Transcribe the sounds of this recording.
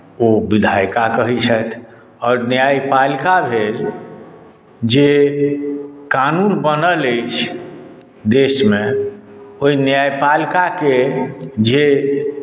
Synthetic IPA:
obid̪ʱajkakəɦit͡ʃʰət̪ʰ | ɔːɾnjajpalkabʱel | d͡ʒe | kanuːnbənələɪt͡ʃʰ | d̪eːʃmẽ | oinjajpalkaked͡ʒe

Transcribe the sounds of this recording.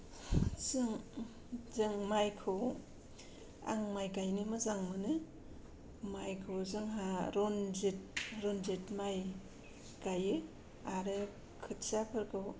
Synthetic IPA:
zɯŋ | zɯŋmajkʰɯw | a̰ŋmajɡajnɯmɯzaŋmɯnɯ | majkʰɯwzɯŋɦaɾɔnzet̚ɾɔnzetmaj | ɡajɯ | aɾɯ | kʰɯtsapʰɯɾkʰɯw

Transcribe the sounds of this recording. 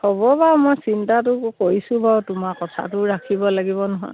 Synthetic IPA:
hɔbɔbamojsintatʊkoisʊ̃bawtʊmakɔtʰa̰tʊɹakʰibɔlaɡibɔnɔɦɔ̰j

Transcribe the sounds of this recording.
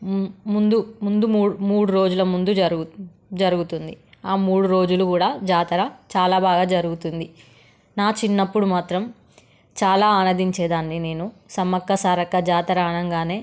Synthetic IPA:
mund̪umund̪umːmuːɽuɾo̞ːd͡ʒulɐmund̪uɐ | d͡ʒɐɾuɡut̪und̪iaːmuːɽuɾo̞ːd͡ʒulukuːɽaːd͡ʒaːt̪ɐɾɐt͡ʃaːlaːbaːɡaːd͡ʒɐɾuɡut̪und̪i | naːt͡ʃinːɐpːuɽumaːt̪ɾɐm | t͡ʃaːlaːɐnɐd̪iɲt͡ʃɛːd̪aːnːine̞ːnu | sɐmɐkːɐsaːɾɐkːɐd͡ʒaːt̪ɐɾaːɳɐŋɡaːne̞ː

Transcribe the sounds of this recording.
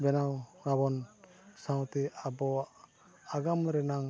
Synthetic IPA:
bɛnawɾabɔn | sawt̪ɛabɔ | aɡamɾɛnaŋ

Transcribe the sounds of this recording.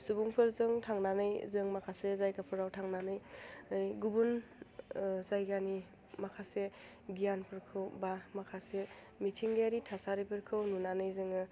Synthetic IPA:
subuŋpʰɯɾzɯŋtʰaŋnanɯjzɯŋmakʰasezajkapʰɯɾawtʰaŋnanɯjɯjɡubun | zajɡani | makʰase | ɡijanpʰɯɾkʰɯwbamakʰase | mitʰiŋɡajaɾitʰasaɾijpʰɯɾkʰɯwnunanɯjzɯŋɯ

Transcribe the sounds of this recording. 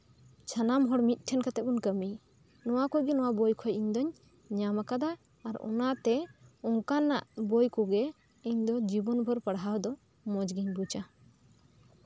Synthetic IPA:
t͡ʃʰanamɦɔɽmit̪̚ˀʈʰɛnkat̪ɛkɔnkəmij | nɔwakɔɡɛnɔwabɔjkʰɔjiɲd̪ɔɲ | ɲamakad̪aː | ɾɔ̰nat̪ɛɔŋkanːa̰ʔbɔjkɔɡɛ | iɲd̪ɔd͡ʒibɔnbʱɔɾpəɽɦawd̪ɔ | mɔd͡ʒɡiɲbut͡ʃa

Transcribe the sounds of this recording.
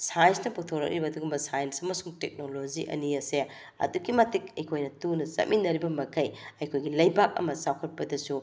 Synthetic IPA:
sajnsnɐputʰoɾɐ̰k̚ɾibɐːduɡumbɐsajɐnsɐmɐsuŋtek̚noloziʔɐ̰niɐse | ɐ̰dukimɐtikɐjkʰojnɐtunɐsɐ̰t̚mʔinːɐɾibɐmɐkʰɐjɐjkʰojɡilɐjbak̚ɐ̰mɐsawkʰɐt̚pɐdɐsu

